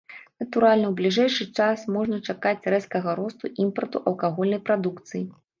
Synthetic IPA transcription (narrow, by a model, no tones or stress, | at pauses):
nɐt̪uɾalʲnɐwblʲiʐɛjʂɨt͡ʂasmɔʐnɐt͡ʂakat͡sʲrɛskɐɣɐɾɔst̪uʔimpɐrt̪uʔɐlˠkaɣɔlʲnɐjpɾad̪ukt̪sɨji